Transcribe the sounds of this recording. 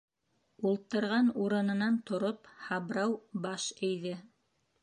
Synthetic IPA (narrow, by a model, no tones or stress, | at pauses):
ulˠt̪ɤ̆ɾʁɑnuɾɤ̆nɤ̆nɑnt̪ŏɾophɑbɾɑwbɑʃɘ̆jðɘ